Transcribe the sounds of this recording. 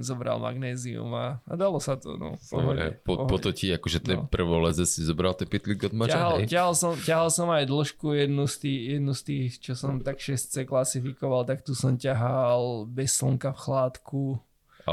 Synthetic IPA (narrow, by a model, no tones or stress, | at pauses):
zɔbɾa̰lma̰ɡnɛːziṵma̰ːd̪alɔsat̪ɔ̰nɔ̰ɔ̰ɦɔɛ̰pɔɔpɔt̪ɔciakɔʒɛt̪ɛpr̩ʋɔlɛzɛsizɔbɾalt̪ɛpit̪liɡɔd̪mat͡ʃaaɦalcaɦalsɔmcaɦalsɔmajd̪l̩ʃkujɛd̪nust̪iːjɛd̪nust̪iːxt͡ʃɔsɔmt̪akʃɛst͡sɛklasifikɔʋalt̪akt̪usɔmcaɦalbɛsːl̩ŋkafxlaːt̪ku | a̰